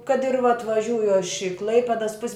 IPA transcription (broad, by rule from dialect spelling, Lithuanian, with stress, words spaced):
kɐt ɪr ʋɐt ʋɐˈʒʲuːjʊ ɐʃ ɪ ˈklˠɐɪpʲɛdɐs pʊsʲ